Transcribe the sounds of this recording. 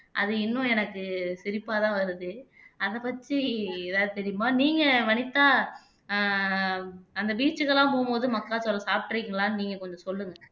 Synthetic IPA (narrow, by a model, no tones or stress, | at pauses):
ʔɐ̰ðɯɪnːʊ̃ɛnɐkːɯsɪɾɪpːaːt̪ãːʋɐɾɯðɯ | ɐðɐpɐt͡ʃːiɛðaːðɯt̪ɛɾɪjɯmaːniːŋɡɐʋɐnɪt̪ːaː | ɐnd̪ɐbiːt͡ʃːɯɣɐɭãːpoːmboːðɯmɐkːaːsɔlːɐsaːp̚ʈːɯɾikːɪŋɡɐlaːnɯniːŋɡɐkɔɲd͡ʒɔ̃sɔlːɯŋɡɐ